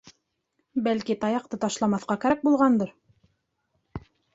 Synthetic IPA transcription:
bælkit̪ɑjɑqt̪ɤt̪ɑʃlˠɑmɑθqɑkæɾk̚bulˠʁɑnd̪ɤɾ

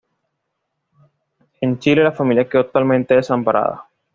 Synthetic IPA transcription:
e̞nt͡ʃilelafamiljakeot̪ːalmẽnt̪eðesampaɾʔa̰ða̰

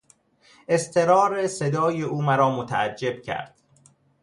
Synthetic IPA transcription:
ʔe̞st̪ʰe̞ɾɒːɾesed̪ɒːjeuːmæɾɒːmot̪ʰææd͡ʒːe̞bcʰæ̰ɾd̪̥

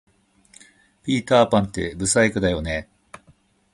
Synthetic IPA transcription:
pʲiːt̪aːpãnt̪e̞̰bɯ̟saekɯ̟d̪ajo̞ne

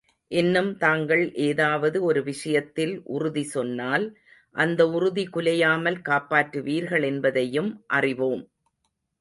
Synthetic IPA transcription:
ʔɛnːɯmt̪aːŋɡɐɭʔeːðaːʋɐðɯɔɾɯʋɪʂɐjɐt̪ːɪlʔʊ̰rʊðisɔnːaːl | ʔɐnd̪ɐʊrʊðikʊlɐjaːmɐlkaːpːaːʈːɯʋiːɾɣɐɭɛnbɐðɐjɯmʔɐrɪʋoːm

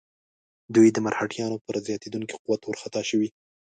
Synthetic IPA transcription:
d̪ujd̪əmaɾhaʈjɑnopəɾzjɑt̪ed̪uŋki̥quwat̪wəɾxat̪ɑʃəwi

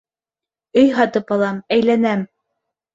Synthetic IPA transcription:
ɵjɦɑt̪ɤpɑlˠɑmæjlænæm

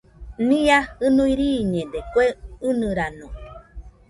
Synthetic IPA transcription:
nĩaɨnũiɾiɲẽd̪ekʷeɨnɨɾanõ

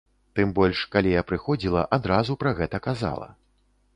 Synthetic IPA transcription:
t̪ɨmbɔlʲʂkalʲijapɾɨxɔd͡zʲilˠɐʔad̪ɾazupɾɐɣɛt̪ɐkaza̰lˠɐ̰

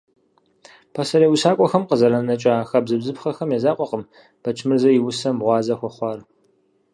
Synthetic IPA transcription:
pʰɐsɐɾeːwusaːkʷʼɔxɐmqəzɐɾɐnɐt͡ʃʼaxɐbzɨbzɨpxɐxɐmjɛzaːqʷʼɔqəm | b̥ɐt͡ʃʰmɨrzɐjɪwʊsɐmʁʷɑːzɐxʷɔχʷɑːr

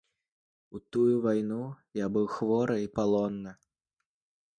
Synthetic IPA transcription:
ut̪ujuvajnujabɨwxvɔɾɐipalˠɔnːɐ

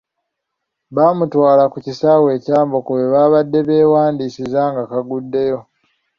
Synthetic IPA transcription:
βaːmutwaːlakucisawe̞ːcaːmbo̞koweβaːβadːe̞βe̞ːwaːndiːsizaŋɡakaɡudːe̞jo̞

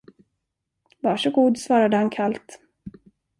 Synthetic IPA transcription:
vɑːʂɔɡuːd̪svɑːɾad̪əhankʰalt̪

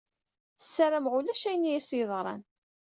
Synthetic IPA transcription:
θsːæɾəmʁulæʃæjənjæsəðˤʁɾˤɑ̰n

